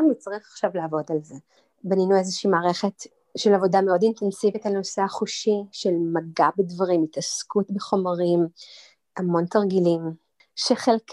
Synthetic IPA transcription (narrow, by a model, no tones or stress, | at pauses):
amnit͡sʁiχḁχʃavlaavo̞dalze | baninuezeʃiːmaːʁe̞χet | ʃelavo̞dameo̞dintensivitalno̞seaχuʃiʃelmaɡabedvaʁimitaskutbeχo̞maʁim | ʔamo̞ntaʁɡilim | ʃeχelk